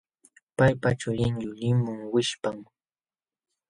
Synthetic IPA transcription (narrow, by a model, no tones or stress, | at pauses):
pajpat͡ʃʊʎɪŋʎʊʎɪmʊŋwɪʃpam